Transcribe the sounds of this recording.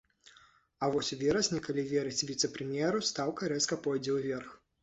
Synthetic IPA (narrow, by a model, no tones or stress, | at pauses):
ɐvɔsʲuvʲɛɾɐsʲnʲɛkalʲivʲɛɾɨt͡sʲvʲit̪sɛpɾɨmʲjɛɾust̪awkɐɾɛskɐpɔjd͡zʲɛwvʲɛrx